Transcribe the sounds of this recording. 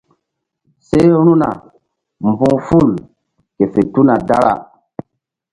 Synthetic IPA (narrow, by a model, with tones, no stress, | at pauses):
se˦ɾ̃u˦na˨ | m˨bũ˦ŋfu˦˨l | ke˨fe˨tu˦na˨da˦ɾa̰˨